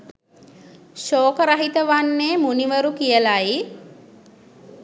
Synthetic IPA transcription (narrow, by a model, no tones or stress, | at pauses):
ʃoːkəɾaɦit̪əʋanːeːmuniʋəɾukijəlai